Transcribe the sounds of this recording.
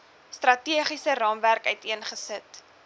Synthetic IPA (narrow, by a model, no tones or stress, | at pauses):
strɐtiəχisərɑːmværkœɥtiənχəsət